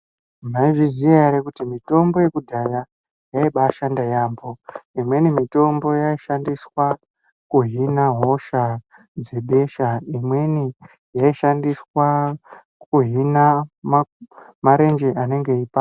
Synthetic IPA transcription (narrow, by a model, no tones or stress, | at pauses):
maiʐizijaeɾekutimito̞mbo̞jekudʱaja | jaiɓaːʃandajaːmbo̞imwe̞nimito̞mbo̞jaiʃandiswa | kuɦinaɦo̞ʃa | d͡ze̞ɓe̞ʃaimwe̞ni | jaiʃandiswa | kuɦinam | maɾe̞nd͡ʒeʔane̞ŋɡe̞ipa